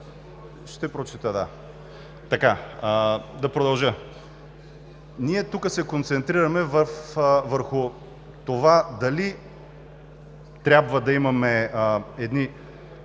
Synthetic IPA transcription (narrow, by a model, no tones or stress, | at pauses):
ʃt̪ɛpɾot͡ʃit̪əd̪a | t̪ɐka | d̪ɐpɾod̪ɐlˠʒə | niɛt̪ukəsɛkont̪sɛnt̪ɾiɾɐmɛvəfvəɾxʊ | t̪ovad̪ɐli | t̪ɾʲabvɐd̪ɐimɐmɛɛd̪ni